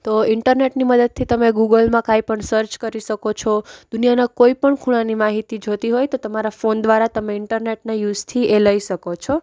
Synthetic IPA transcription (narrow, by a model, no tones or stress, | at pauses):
t̪oɪɳʈəɾneʈniməd̪əd̪̚t̪ʰit̪əmeɡuɡəlmãkajpəɳsəɾt͡ʃkəɾiʃəkot͡ʃʰɔd̪̥unijanakoipəɳkʰuɽ̃ãnimaɦit̪id͡ʒʱot̪iɦojt̪ot̪əmaɾafond̪ʋaɾat̪əmeɪɳʈəɾneʈnajuzt̪ʰiʔeləiʃəkot͡ʃʰɔ